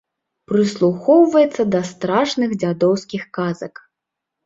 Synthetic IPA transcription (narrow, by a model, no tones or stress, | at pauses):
pɾɨslˠuxɔwvɐjɛt̪sːɐd̪ɐst̪ɾaʂnɨɣd͡zʲad̪ɔwskʲixkazɐk